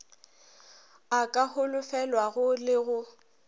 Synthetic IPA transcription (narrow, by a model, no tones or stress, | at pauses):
akʼaɦʊlʊfɛlwaɣʊlɪɣʊ